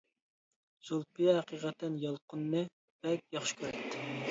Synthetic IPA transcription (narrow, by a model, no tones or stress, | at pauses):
sulˠpijɛhæqiʁɛt̪ʰːɛnjɑlˠqʊnːɨ | b̥ɛk̚ʲjɑχʃɪ̥kʲʰøɾt̪ʰːɪ